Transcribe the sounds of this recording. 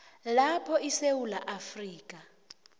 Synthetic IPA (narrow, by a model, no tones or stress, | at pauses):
lapʰɔisewulaʔafriːk̬ʼa